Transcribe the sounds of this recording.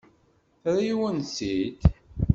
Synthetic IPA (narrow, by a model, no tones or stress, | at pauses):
θɾiwənsit̪